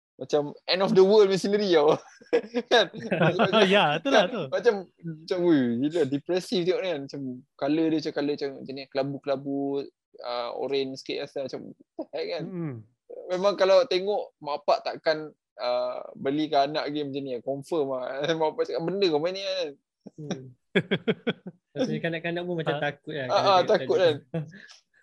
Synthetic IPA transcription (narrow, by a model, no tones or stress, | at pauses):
mat͡ʃamɛnɔfdəwəlmisinəɾia | kanaamjat̪uamat͡ʃammat͡ʃamuiladipɾɛsift̪eŋɔʔnanmat͡ʃamkalədət͡ʃakaləat͡ʃaŋma̰t͡ʃaniakəlabukəlabu | ə̰o̰ɾɛnskḭʔasamat͡ʃamt̪ajkan | memãŋkalawt̪eŋɔʔmapaʔt̪a̰ʔkan | əbəlikanaʔɡemat͡ʃanijakɔmfəmamapaʔt̪akanbəndəkamanianan | akanaʔkanaʔpumat͡ʃat̪akʊt̪̚aaʔat̪akkʊt̪̚kan